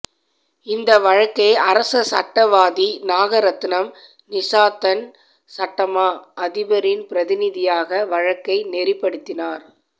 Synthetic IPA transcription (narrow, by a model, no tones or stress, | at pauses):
ɪnd̪ɐʋɐɻɐkːɐɪɐɾɐsɐsɐ̰ʈːɐʋaːðinaːɣɐɾɐt̪ːɪnɐm | nɪsaːt̪ːɐn | sɐʈːɐmaːʔɐðɪbɐɾɪnpɪɾɐðɪnɪðɪjaːɣɐʋɐɻɐkːɐɪnɛɾɪpːɐɽɯt̪ːɪnaːɾ